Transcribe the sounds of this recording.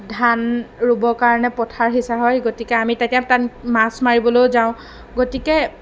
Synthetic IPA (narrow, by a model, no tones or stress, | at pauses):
dʱanɹubɔkaɹɔnɛpɔtʰaɹɦisaɦɔjɡotikɛamitatijatanmasmaɹibɔlojzaʊ̃ | ɡotikɛ